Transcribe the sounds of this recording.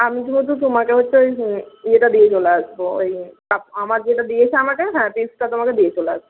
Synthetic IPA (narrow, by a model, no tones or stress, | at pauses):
amit̪umot̪̬ut̪̬omakeɦotːɕʰejeʈad̪ijet͡ɕoleaʃboejkaamaɾd͡ʑeʈad̪iet͡ɕʰeamakeɦɛ̃pisʈat̪omaked̪iet͡ɕolea̰ʃbo